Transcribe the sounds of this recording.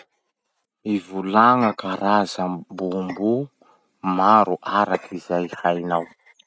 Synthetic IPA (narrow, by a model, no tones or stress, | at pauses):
ivulaŋakaɾazabumbu | maɾuʔaɾakʰizajhajnaw